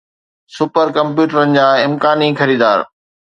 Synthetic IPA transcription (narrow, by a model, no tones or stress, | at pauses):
sʊpəɾkɐ̃mpjuːʈəɾənɪ̆d͡ʑaːɪ̃mkaːnixɐɾiːd̪aːɾ